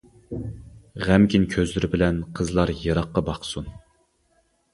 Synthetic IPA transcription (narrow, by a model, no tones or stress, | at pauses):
ʁæmkʲinkʲʰøzlyɾɪbɪlɛnqʰəzlˠɑɾjɑɾɑqːɑbɑχsun